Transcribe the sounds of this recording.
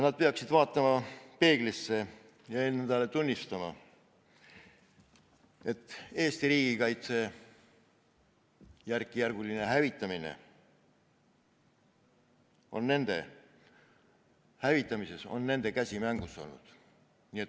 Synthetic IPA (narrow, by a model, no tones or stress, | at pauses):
nɑd̪̥̚pe̞ɑksid̪vɑːt̪ːˑɑmɑpe̞ːɡ̥lisːe̞ | jɑe̞nːd̪̥ɑle̞t̪unʲːist̪ɑmɑ̰ | e̞t̪ːˑe̞ːst̪iɾiːɡ̥ikɑjt̪se̞ | jærkːˑijærɡ̥ulineɦævit̪ːˑɑminḛ | o̞̰nːe̞nd̪̥e̞̰ | hævit̪ːˑɑmise̞so̞̰nːe̞nd̪̥e̞kæsʲimæŋɡ̥usːo̞̰lnṵd̪̥ | niːet̪